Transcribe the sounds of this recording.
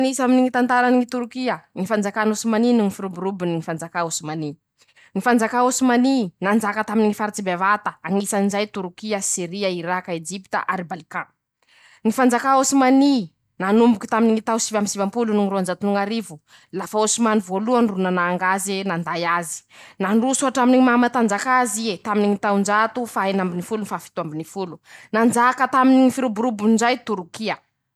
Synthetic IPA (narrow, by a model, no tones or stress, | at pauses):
ŋisaminiŋit̪ant̪aɾaniŋit̪uɾukiəŋifand͡zakanosumaninuŋifiɾubuɾubiniŋifand͡zakaosumani | ŋifand͡zakaosumaninand͡ʒakət̪aminiŋifaɾit͡sibevat̪əaŋisaninzajt̪uɾukiəsiɾiaiɾakaed͡ʒipi̥t̪a̰ʔaɾibalikã | ŋifand͡zakaosumani | nanumbuki̥t̪aminiŋit̪awsivamisivampulunuŋiɾuand͡ʒat̪unuŋaɾivu | lafaosimanivoluanrunanaːŋɡazenand̪ajazi̥naɳɖ͡ʐusuaʈ͡ʂaminiŋimamat̪and͡zakaziet̪aminiŋit̪awnd͡ʒat̪ufaenambinifulunifafi̥t̪uambinifulunand͡ʒakət̪aminiŋifiɾubuɾubunnd͡ʒajt̪uɾukiə